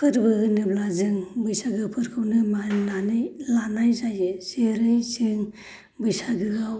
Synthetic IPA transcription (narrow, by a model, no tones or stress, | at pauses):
kʰɯɾbɯɡɯnɯblazɯŋbɯjsaɡɯpʰɯɾkʰɯwnɯmananɯjlanajzajɯseɾɯjsɯŋ | bɯjsaɡɯɡaw